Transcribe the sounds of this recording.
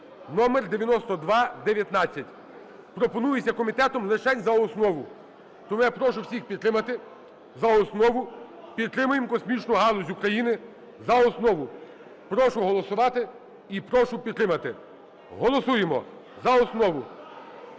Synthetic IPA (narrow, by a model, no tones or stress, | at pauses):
nɔmerd̪eʋʲjɐnɔst̪ɔd̪ʋɑd̪eʋʲjɐt̪nɑt͡sʲːɐtʲ | pɾɔpɔnujesʲɐkɔmʲit̪ɛt̪ɔmlˠɪʃɛnʲzɐɔsnɔʋʊ | t̪ɔmujapɾɔʃʊwsʲixpʲid̪t̪ːɾɪmɐt̪ɪ | zɐɔsnɔʋʊpʲid̪ːɾɪmʊjemkɔsmʲit͡ʃnʊɦɑlˠɔzʲukɾɐjinɪ | zɐɔsnɔʋʊ | pɾɔʃʊɦɔlˠɔsʊʋɑt̪ɪ | ipɾɔʃʊpʲid̪ːɾɪmɐt̪ɪ | ɦɔlˠɔsujemɔ | zɐɔsnɔʋʊ